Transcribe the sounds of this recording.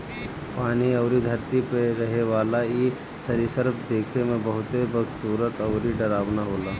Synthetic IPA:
paːniɐʊɾid̪ʱɐɾt̪ipeɾɐɦeʋaːlai | sɐɾisəɾbʰd̪eːkʰemẽbəɦʊt̪ebəɡsuːɾət̪ɐʊɾiɖɐɾaːʋnaɦoːlaː

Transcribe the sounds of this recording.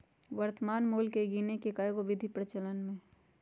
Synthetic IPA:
ʋəɾt̪əmaːnmuːlkeɡiːnekekajɡoʋɪd̪ʱipɾət͡ʃələnmẽ

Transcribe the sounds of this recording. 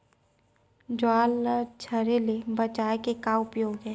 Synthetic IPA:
d͡ʒʊaːlt͡ʃʰɐɾelebɐt͡ʃaːekekaʊpjoːɡɦɛ̃ː

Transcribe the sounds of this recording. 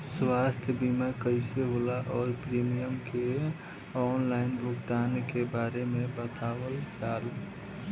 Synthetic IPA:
swaːst̪ʰjəbimakəɪseɦolaʔɔːɾpɾimijəmke | ɔːnlaːɪnbʊkd̪aːnkebaːɾemẽbət̪ʰaːwəld͡ʒaːl

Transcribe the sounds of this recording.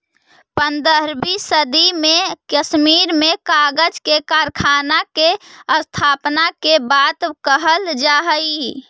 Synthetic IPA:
pənd̪əɦɾbisəd̪imekəsmiɾmekaɡəd͡ʒkekaɾkʰanakeəst̪ʰaːpnakebat̪kəɦəld͡ʒaɦəi

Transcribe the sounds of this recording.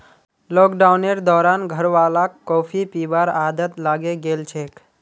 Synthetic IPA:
lɔkɖaʊneɾd̪ɔːɾanɡʱəɾʋalakːɔpʰipibaɾad̪ət̪laɡeɡelt͡ʃʰek

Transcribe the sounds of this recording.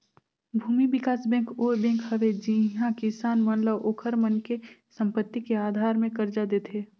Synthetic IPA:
bʱuːmibɪkaːsbɛ̃ːkoːbɛ̃ːŋkhəʋed͡ʒiɦãkɪsaːnmənləʋʔoːkʰəɾmənkesə̃mpət̪ːikeaːd̪ʱaːɾmẽkɐɾd͡ʒad̪eːt̪ʰeː

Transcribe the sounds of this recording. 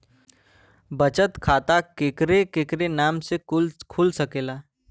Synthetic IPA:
bət͡ʃət̪kʰaːt̪akeːkɾekeːkɾenaːmselkʰʊlsəkeːlaː

